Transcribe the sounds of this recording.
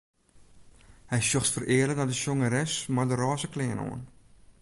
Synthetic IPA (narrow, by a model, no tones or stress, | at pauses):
hɛjsjoxtfərɪərlək̚dɔdəʃjoŋəɾɛsmadərɑːzəklɪːəno̰ən